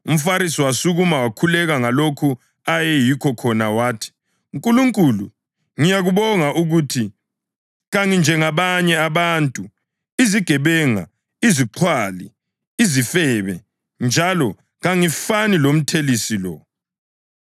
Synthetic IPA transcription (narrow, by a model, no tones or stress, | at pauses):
um̩faɾis̬iwasuɣumawakʰulɛɣaŋalokʰu | ajɛjikʰɔkʰɔnawaːtʰi̥ | uŋkʼuluŋkʼuːlṵ | ŋijaɣuβɔŋaʔuɣutʰi | ɣaŋind͡ʒʱɛŋaβaɲɛaβaːntʼu | iziɡ̥ʱɛβɛŋa̰ | iziǃʰwaːlḭ | izifɛβɛ | nd͡ʒʱalɔ | ɣaŋifanilom̩tʰelisilɔ̰